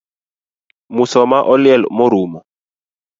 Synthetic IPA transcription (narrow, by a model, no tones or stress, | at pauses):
musɔmaʔɔljɛlmoɾumɔ